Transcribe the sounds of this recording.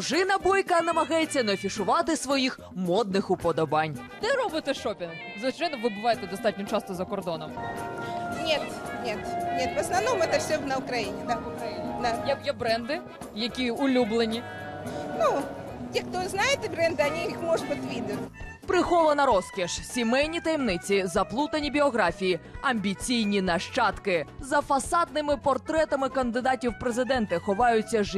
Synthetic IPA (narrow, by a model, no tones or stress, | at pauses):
ʒɪnɐbɔjkɐnɐmɐɣajet͡sʲːɐnɐɔfʲiʂʊʋɑt̪ɪsʋɔjix | mɔd̪nɪxʊpɔd̪ɔbanʲ | d̪ɛɾɔbɨt̪ɛʂɔpʲɪn | zʋɨt͡ʃajnɔʋɪbɨʋajɛt̪ɛd̪ɐst̪atʲnʲɔt͡ʃɑst̪ɔzɐkɔrd̪ɔnɔm | nʲet̪nʲet̪nʲɛt̪ʋɐsnɐvnɔmʊɛt̪ɐfsʲɔnɐʊkɾɐjinʲɪd̪aʊkɾɐjinʲɪnɐjɛjɛbɾɛnd̪ɪ | jɐkʲiʊlʲublˠenʲi | nu | t̪ʲixt̪ɔznajɪt̪bɾɛnd̪ɨɐnʲiixmɔʐpɐt̪ʲʋʲid̪ʊt̪ | pɾɪxɔlˠɐnɐɾɔskʲɛʃsʲimɛjnʲit̪ɐjɛmnɪt͡sʲizɐplˠut̪ɐnʲibʲiɔɣɾafʲijiɐmʲbʲit͡sʲijnʲinɐʃt͡ʃɑt̪kɪzɐfɐsɑd̪̚nɪmɪpɔrt̪ɾɛt̪ɐmɪkɐnd̪ɪd̪atʲiwpɾezɪd̪ɛnt̪ɐxɔʋɑjʊt͡sʲːɐʒ